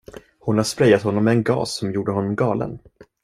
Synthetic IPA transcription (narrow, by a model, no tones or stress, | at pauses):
hʊnhaʂpɾɛjːat̪hɔnːɔmːɛɛnɡɑ̰ːsːɔmjuːɖəɦɔnːɔmɡɑːlə̰n